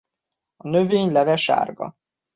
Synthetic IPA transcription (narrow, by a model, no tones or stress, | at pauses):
ɒnøveːɲlɛvɛʃa̰ːrɡɒ̰